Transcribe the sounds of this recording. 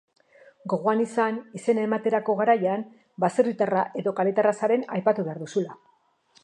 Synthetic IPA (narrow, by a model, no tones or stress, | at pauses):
ɡo̞ɣo̞anisanise̞naemat̪e̞ɾako̞ɣaɾajam | baserit̪araʔe̞ðo̞kalet̪arasaɾe̞najpat̪uβe̞aɾðusula